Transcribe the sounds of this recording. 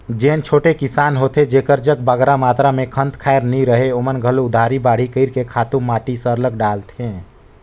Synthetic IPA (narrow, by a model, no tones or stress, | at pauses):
d͡ʒent͡ʃʰoːʈekisaːnɦot̪ed͡ʒekəɾd͡ʒək̚baɡɾamaːt̪ɾamẽkʰənt̪kʰaeɾniɾəɦeomənɡʱəloʊd̪ʱaɾibaːɽ̤ikəɪɾkekʰaːt̪ũmaʈisəɾləkɖaːlt̪ʰẽ